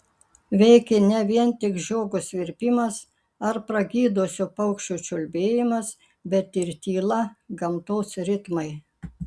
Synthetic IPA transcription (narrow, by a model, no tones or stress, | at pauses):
ʋʲɛɪkʲɛnʲɛʋʲiɛnt̪ʲɪkʒoːɡʊsʋʲɪɾʲpʲɪmɐs | ɐɾpɾɐɡʲiːd̪osʲʊpɐʊkʃʲt͡ʃʲuːt͡ʃʲʊlʲbʲeːjɪmɐs | bʲɛt̪ɪɾt̪ʲiːlˠɐɡɐmt̪oːsɾʲɪt̪mɐɪ